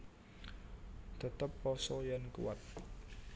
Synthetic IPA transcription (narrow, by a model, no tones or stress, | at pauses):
t̪ət̪əpːɔsɔjankṵwat̪̚